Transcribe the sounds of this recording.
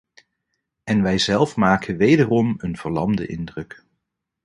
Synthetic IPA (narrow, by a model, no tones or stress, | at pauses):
ɛnʋɛjzɛlˠfmaːkʰənʋejdərɔmənv̥əɹlɑmdə̰ʔɪndrɵk